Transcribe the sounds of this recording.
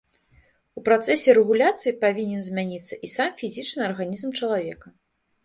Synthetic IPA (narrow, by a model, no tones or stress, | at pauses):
upɾat̪sɛsʲɛɾɛɣulʲat̪sɨjipavʲinʲɛnzʲmʲanʲit̪sːɐʔisamfʲizʲit͡ʂnɨɐrɣanʲizmt͡ʂɐlˠavʲɛkɐ